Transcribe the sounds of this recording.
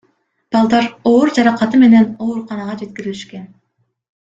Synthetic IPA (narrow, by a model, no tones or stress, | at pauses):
b̥ɑlˠd̪ɑɾoːɾd͡ʒɑɾɑqɑt̪ɯme̞ne̞no̞ːɾuqɑnɑʁɑd͡ʒe̞t̪̚kʲiɾiliʃke̞n